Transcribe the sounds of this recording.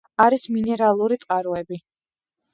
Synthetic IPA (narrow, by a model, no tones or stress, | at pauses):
aɾisminɛɾalˠuɾit̪sʼqʼaɾuɛbi